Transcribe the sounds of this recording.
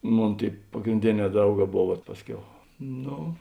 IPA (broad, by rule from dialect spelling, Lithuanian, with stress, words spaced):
ˈmoːn ˈtʲeːɪ pɐɡrʲɪnʲˈdʲeːˌnʲɛː ˈdrɐʊˌɡɑː ˈboːw ʋɐt ˈpɑːsʲˌkʲɛʊ ˈnoː